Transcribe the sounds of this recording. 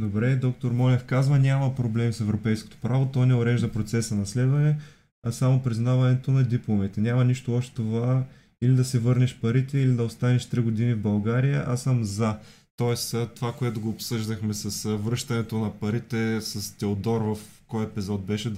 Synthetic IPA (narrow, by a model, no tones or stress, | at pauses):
d̪obɾɛd̪ɔk̚t̪oɾmɔlɛfkazvənʲamɐpɾoblɛmisɛvɾopɛjsko̥t̪o̥pɾavot̪ɔjnɛoɾɛʒd̪ɐpɾot̪sɛsɐnɐslɛd̪vɐnɛ | ɐsamopɾiznavɐnɛt̪onɐd̪iplˠomit̪ɛnʲamɐniʃt̪oɔʃt̪ɛ̥t̪ova | ilid̪ɐsɛvɤɾnɛʃpɐɾit̪ɛilid̪ɐost̪anɛʃt̪ɾiɡod̪inivbɐlˠɡaɾijəʔasəmza | t̪ɔɛst̪ovakoɛt̪ʊɡoːpsɤʒd̪ɐxmɛsɐsvɾɤʃt̪ɐnɛt̪onɐpɐɾit̪ɛsɐst̪ɛod̪ɔɾvɐfkɔjɛpizɔt̪̚bɛʃɛ